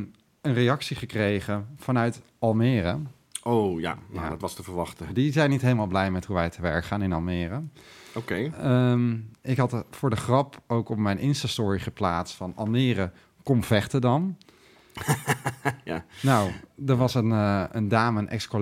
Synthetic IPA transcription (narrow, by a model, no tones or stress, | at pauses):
ənrejɑksiχəkrejχəfɑnœɥt | ɑlˠmɪːrə | oja̰a̰dtʋɑstəvəɹʋɑχtədizɛjnːitɦejləmaːlˠblɛjmɛthuʋɛjtəʋɛɹkχaːnɪnɑlˠmɪːrəokejmɪkɦɑtfʊːɹdəχrɑpowkɔpmɛjnʔɪnstastʊːɹiχəplaːtstfɑnɑ̰lˠmɪːrə | kɔmv̥ɛχtədɑn | anawdəɹʋɑsənəndaːməənʔɛ̰ksko